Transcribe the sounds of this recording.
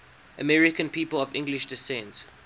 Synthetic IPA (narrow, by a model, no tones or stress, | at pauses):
ʔəmɛɹɪkə̃npiːpəlɔvɪ̰̃ŋɡlɪʃdɪsɛ̃nt